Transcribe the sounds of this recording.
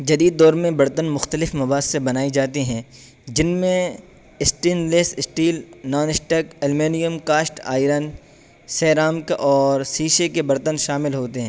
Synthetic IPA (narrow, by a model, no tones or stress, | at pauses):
d͡ʒɐd̪iːd̪̚ːɔːɾmẽbɐɾt̪ənmʊxt̪əlɪfmɐbaːssebɐnaːid͡ʒaːt̪iɦɛ̃ː | d͡ʒɪnmẽ | ɪsʈiːnleːsɪsʈiːlnɔːnɪsʈəkɐlmeːnijəmkaːsʈa̰ːɪɾən | sɛːɾaːmkeʔɔːɾsiːʃekebɐɾt̪ənʃaːmɪlɦoːt̪eɦɛ̃ː